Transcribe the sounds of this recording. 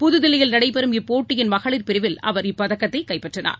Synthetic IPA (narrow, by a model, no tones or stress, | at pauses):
pʊðɯðɪlɐjɪlnɐɽɐɪpɛɾɯmɪpːoːʈːɪjɪnmɐɣɐɭɪɾpɪɾɪʋɪlɐ̰ʋɐɾɪpːɐðɐkːɐt̪ːɐɪkɐɪpːɛʈrɐna̰ːɾ